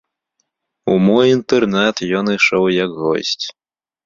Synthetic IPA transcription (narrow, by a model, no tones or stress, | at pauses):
umɔjint̪ɛrnat̪jɔnɨʂɔwjɐkɣɔ̰sʲt͡sʲ